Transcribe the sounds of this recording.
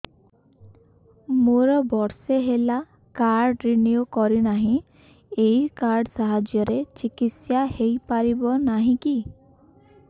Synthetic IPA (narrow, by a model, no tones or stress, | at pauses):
moɾɔbɔɾseɦela | kaɾɖɾiniukɔɾinaɦĩ | eikaɾɖsaɦad͡ʒjɔɾet͡ʃikit̪sjahejpaɾibɔnaɦĩki